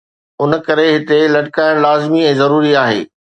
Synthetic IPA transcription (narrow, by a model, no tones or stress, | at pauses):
ʊn̆kɐɾeɦɪt̪elɐʈɪkaːɪɽ̃laːzɪmiɛ̃ːzɐɾuːɾiaːɦḛː